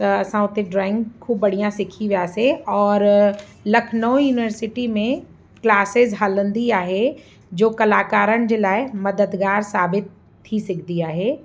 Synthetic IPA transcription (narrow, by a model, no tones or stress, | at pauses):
t̪ɐɐsãʊt̪ẽɖɾaːɪ̃ŋɡkʰːuːb̚ːɐɽ̤ijãsɪkʰiʋijaseɔːɾ | lɐkʰnɔːjuːnɪʋəɾsɪʈimẽ | klaːsɪzɦaːlə̃nd̪iaːɦe | d͡ʒoːkɐlaːkaːɾənd͡ʑeːlaːɪmɐd̪əd̪ɡaːɾsaːbɪt̪ʰː | isɪkʰd̪iaːɦeː